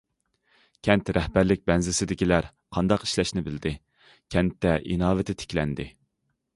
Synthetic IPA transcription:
kʲʰɛnt̪ɾɛhbæɾlɪk̚ʲbɛnzɪsɪd̪ɪkʲilæɾ | qʰɑnd̪ɑqi̥ʃlɛʃnɪbɪld̪ɪ | kʲʰɛnt̪ːɛʔinɑːvɪt̪ʰɪt̪ʰɪ̥kʲlɛnd̪ɪ

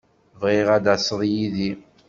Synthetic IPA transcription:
vʁiʁæd̪æsˤəðˤjiði

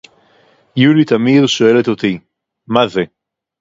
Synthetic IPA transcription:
julit̪amiðʃoelet̪ot̪i | maðe

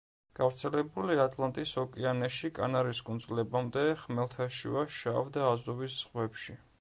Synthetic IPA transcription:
ɡ̥avɾt̪sʰɛlɛbuliat̪ʼlˠant̪ʼisɔkʼianɛʃikʼa̰naɾiskʼund̪zlɛbamd̪ɛχmɛlˠt̪ʰaʃḭvaʃavd̪aːzɔvisz̥ʁwɛpʃi

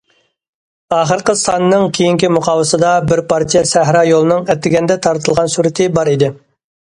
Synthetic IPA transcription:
ɑːχəɾqəsɑnɨnɨŋkʲʰejiŋkʲimuqʰɑːwɨsɨd̪ɑbɪɾpɑɾt̪ʰijɛsæɦɾɑjolˠɨnɨŋɛt̪ʰːɪɡʲɛnd̪ɛt̪ʰɑɾt̪ʰɨlˠʁɑnsuɾɪt̪ʰɪbɑɾid̪ɪ

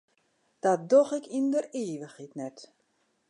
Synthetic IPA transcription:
d̥at̚doxɪkindəreːʋəxitnɛt

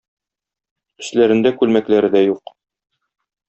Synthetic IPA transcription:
ɵ̆slæɾɘ̆nd̪ækʉlmæklæɾɘ̆d̪æjuq

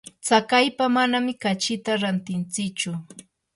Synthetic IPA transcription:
t͡sakajpamanamɪkat͡ʃɪt̪aɾant̪ɪnt͡sɪkt͡ʃʊ

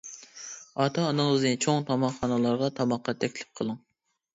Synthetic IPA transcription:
ɑt̪ʰɑːnɨŋznɨt͡ʃʰoŋt̪ʰɑmɑχɑnɨlˠɑɾʁɑt̪ʰɑmɑqːɑt̪ʰɛkʲlɪ̥p̚qʰəlˠɨŋ

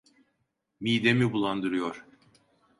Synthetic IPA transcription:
miːd̪emibulˠand̪ɯɾɯjoɾ̥

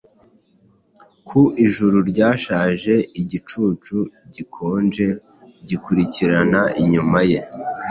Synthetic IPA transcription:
kʰuʔiʒuɾuɾɟaːʃaːʒe̞iɟit͡ʃuːt͡ʃuɟikʰo̞ːnd͡ʒe | ɟikuɾiciɾanaʔiɲumaje̞

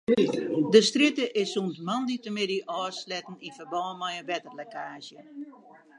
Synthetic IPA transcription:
dəstritəʔɪsuntmanditəmɪdiʔɔːslɛtn̩infərbɔːnmɛjənʋɛtərlɛkʰaːzjə

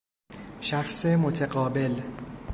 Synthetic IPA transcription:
ʃæxsemot̪ʰeɡɒːbe̞l

